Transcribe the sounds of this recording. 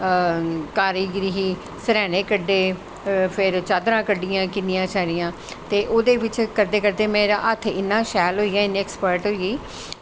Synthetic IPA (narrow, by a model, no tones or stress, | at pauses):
kaːɾiːɡɾiɦiː | səɾɛːnẽːkəɖːeː | pʰɪɾt͡ʃaːd̪ɾãːkəɖːɪjãːkɪnɪjãːt͡ʃʰaːɾɪjãː | t̪eːʔoːd̪eːʋɪt͡ʃkəɾd̪eːkəɾd̪eːmẽːɾãːʔət̪ʰːɪnːãːʃɛːlɦoːiːaːɪnːĩːɛkspəɾʈɦoiiː